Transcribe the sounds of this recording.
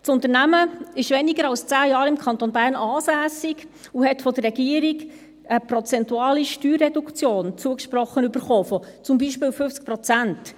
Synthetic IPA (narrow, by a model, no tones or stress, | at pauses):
t͡sʊnt̪əɾnæməɪʃʋɛniɡəɾɑlst͡sæːjɑːɾɪmkʰɑnt̪onbæːɾnɑːsæːsɪɡ | uhɛtfɔd̪ərːɛɡiəɾɪɡ | əpɾɔt͡sɛntuɑːliʃtyːrːɛdukt͡sjoːnt͡suəkʃpɾɔχənybəɾχoːfɔt͡sʊmbiːʃpɪːwfʏft͡sk̚pɾɔt͡sænt